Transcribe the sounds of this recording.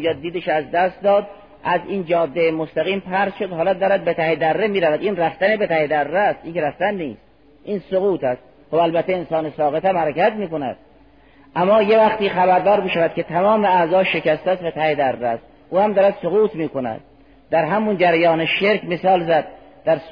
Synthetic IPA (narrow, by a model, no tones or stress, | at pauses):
jɒːd̪iːd̪eʃæzd̪æst̪̚d̪ɒːd̪ | ʔæziːnd͡ʒɒːd̪ːejemost̪æɣiːmpʰæɾz̥ʃod̪hɒːlɒd̚d̪ɒːɾæd̪̚bet̪ʰæhed̪ærːemiːɾævæd̪iːnræft̪ænebet̪æhed̪ærːeæst̪iːŋkeɾæft̪ænːiːst̪ | ʔiːnsoɣuːt̪ʰæst̪̚ | xobælbæt̪ʰːeensɒːnesɒːɣet̪æmhæɾekæt̪miːkonæ̰d̪̥ | ʔæmːɒːje̞væxt̪iːxæβæɾd̪ɒːɾmiːʃævæd̪̚kʰʲet̪ʰæmɒːmeæzɒːʃe̞kæst̪ææst̪bet̪ʰæhed̪ærːeæst̪ | ʔuːhæmd̪ɒːɾæd̪soɣuːt̪ʰmiːkonæ̰d̪̥̚ | d̪̥æɾɦæmund͡ʒæɾæjɒːneʃeɾkmesɒːlzæd̪̚ | d̪̥æɾ